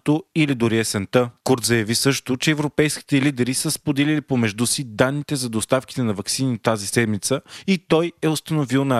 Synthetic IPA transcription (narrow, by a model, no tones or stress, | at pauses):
t̪oilid̪ʊɾiɛsɛnt̪əkuɾt̪zɐjɐvisɤʃt̪ʊt͡ʃɛːvɾopɛjskʲi̥t̪ɛlid̪ɛɾisəspod̪ɛlilipomɛʒd̪usid̪anːit̪ɛzɐd̪ost̪afki̥t̪ɛnɐvɐksinit̪azisɛd̪mit̪səit̪ɔjɛost̪ənovilˠnɐ